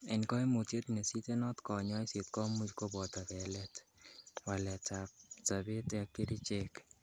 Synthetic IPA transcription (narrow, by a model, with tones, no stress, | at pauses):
ɛ˨nkɔ˦i˦mo˨te˦t̪ne˨si˦te˦nɔ˦t̪kɔ˨ɲɔ˦ɪ˦se˨t̪kɔ˦mu˦t͡ʃko˦bɔ˨t̪a˨kɛ˨lɛtwa˨lɛ˨tap̚t͡sa˨be˦t̪a˨ke˦ɾi˦t͡ʃek